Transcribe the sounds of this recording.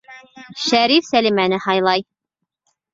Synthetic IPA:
ʃæɾifsælimænɘhɑjlˠɑj

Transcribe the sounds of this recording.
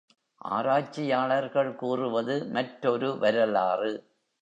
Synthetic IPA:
ʔa̰ːɾaːt͡ʃːɪjaːɭɐɾɣɐɭkuːrɯʋɐðɯmɐʈɾɔɾɯʋɐɾɐlaːrɯ

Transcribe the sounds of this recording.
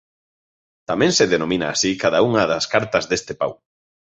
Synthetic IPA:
t̪amɛ̃ŋseðenomĩnaːsikaðauŋɐðɐskaɾt̪ɐzðest̪epa̰w

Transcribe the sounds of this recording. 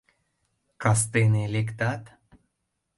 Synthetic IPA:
kɑs̬t̪enelek̬t̪ɑt̪

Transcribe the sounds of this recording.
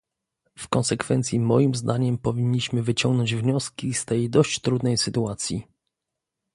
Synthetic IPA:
fkɔnsɛkfɛnt̪sʲjimɔjimzd̪aɲɛmpɔvʲiɲːiɕmɘvɘt͡ɕɔŋɡnɔɲd͡ʑvɲɔskʲist̪ɛjd̪ɔɕt͡ɕt̪ɾud̪nɛjsɘt̪uat̪sʲjḭ

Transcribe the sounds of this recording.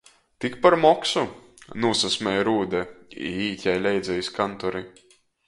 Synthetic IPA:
t̪ikpaɾmɔksunuɔsasmʲɛjɾuːd̪ɛḭiːcʲajlʲɛjd̪zʲɛjiskant̪ɔɾi

